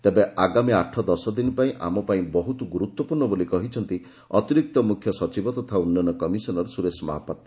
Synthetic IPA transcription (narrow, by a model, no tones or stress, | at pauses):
t̪ebeʔaɡamiaʈʰːɔd̪ɔsɔd̪inipaĩʔa̰mɔpaĩbɔɦut̪uɡuɾut̪wɔpuɾɳɔbolikɔɦit͡ʃʰɔnt̪i | ɔt̪iɾik̚t̪ɔmukʰjɔsɔt͡ʃibɔt̪ɔt̪ʰaunːanɔkɔmisɔnɔɾɔsuɾesma̰ɦapat̪